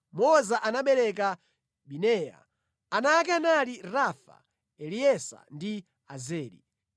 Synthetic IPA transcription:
mɔzaʔanaɓɛɾɛk̬a | ɓinɛːja̰ | anaːk̬ɛnaliɾafa̰ | ɛliɛsa̰ndi | azɛːɾḭ

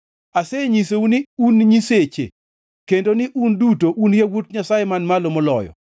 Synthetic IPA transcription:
aseɲis̬eunɪunɲiset͡ʃḛ | kendonɪʔundutoʔunjawotɲasajemanmalomɔlɔ̰jɔ̰

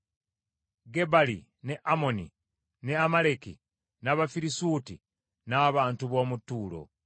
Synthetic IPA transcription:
ɡe̞balḭ | ne̞ʔamo̞nḭ | ne̞amalekḭ | naβafiɾisuːti | naːβaːntuβo̞ːmutːuːlo̞̰

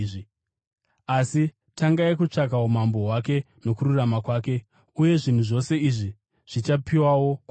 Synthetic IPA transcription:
i | asi | taŋɡaikut͡ʂak̬aomambo̞ɦwak̬e̞ | no̞kururamakwaːk̬e̞ | uje̞ʐin̤uʐo̞se̞iʐi | ʐ̥it͡ʃapiwawo̞k

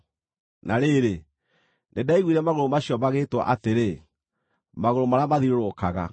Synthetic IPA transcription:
naɾeɾe | nedaiɣwiɾɛmaɣoɾomaɕjɔmaɣeːtwa̰ʔateɾe | maɣoɾomaɾamaðiɾoɾokaɣa̰

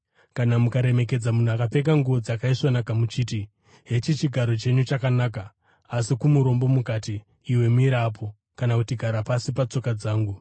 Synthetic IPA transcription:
kanamukaɾe̞me̞k̬e̞d͡zamun̤uakape̞k̬aŋɡuʋo̞d͡zakaiswanakamut͡ʃiːti | ɦe̞t͡ʃit͡ʃiɡʱaɾo̞t͡ʃe̞ɲut͡ʃakanaːkaː | sikumuɾo̞mbo̞mukatiː | we̞muiɾapʰo̞ | kanakutiɡʱaɾapasipat͡so̞kad͡zaːŋɡu

